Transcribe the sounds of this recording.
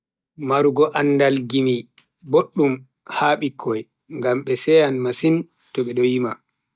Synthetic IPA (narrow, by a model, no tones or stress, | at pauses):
maɾuɡɔʔanːdalɡimi | boɗːum | haːɓikʰːɔj | ŋɡamɓɛsɛjanmasin | tɔɓɛɗɔjima